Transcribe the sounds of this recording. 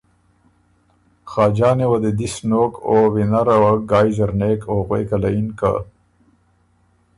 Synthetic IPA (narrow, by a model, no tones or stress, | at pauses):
xaːd͡ʒɑːnewɐd̪ed̪isnoːkoːwinaɾɐwaɡaːjzɐɾneːkoɣwḛːkɐlainka̰